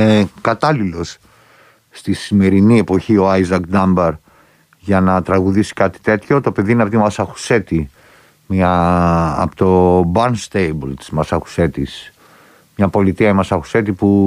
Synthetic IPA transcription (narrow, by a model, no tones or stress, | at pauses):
ekɐt̪ɐlilo̞sː | t̪isime̞ɾinie̞po̞çio̞ɐjzɐkd̪ɐmbɐɾ | ʝɐnɐt̪ɾɐɣuðisi̥kɐt̪i̥t̪e̞t̪ço̞t̪o̞pe̞ðiineɐpot̪imɐsɐxu̥se̞t̪i | mɐ̰ | ot̪obɐnst̪ejbolt̪izmɐsɐku̥se̞t̪is | mɲɐpo̞lit̪iɐimɐsɐxu̥se̞t̪ipu